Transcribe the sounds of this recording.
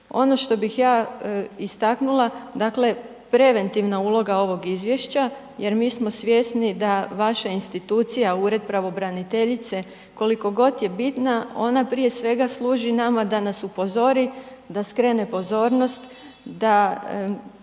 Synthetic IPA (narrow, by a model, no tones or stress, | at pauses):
o̞no̞ʃt̪o̞bixjaːist̪aknulˠad̪akle̞ | pɾe̞ʋe̞nt̪iʋnauːlˠo̞ɡao̞ʋo̞ɡizʋje̞ʃt͡ɕa | je̞ɾmiːsmo̞sʋʲje̞snid̪aʋaʃainst̪it̪uːt̪sijauːɾe̞d̪̚pɾaʋo̞bɾanit̪e̞ʎit̪se̞ | ko̞liko̞ɡo̞t̪je̞bit̪nao̞̰napɾije̞sʋe̞ɡaslˠuːʒinamad̪anasupo̞zo̞ɾi | d̪askɾene̞po̞zo̞ːɾno̞st̪ | d̪a